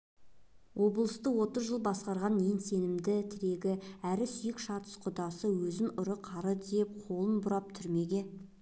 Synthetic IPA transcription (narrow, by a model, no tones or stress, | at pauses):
wʔo̞blˠəst̪əwo̞t̪əzʒəlˠbɑsqɑɾʁɑnjense̞nɪmd̪ɪt̪ʰɪɾe̞ɡʲɪæɾɪsʏjɪkʃɑt̪ə̥sqʰʊd̪ɑsəwɵzɪnʊɾəqʰɑɾəd̪e̞p̚qʰo̞lˠənbʊɾɑp̚t̪ʰʏɾme̞ɡʲe̞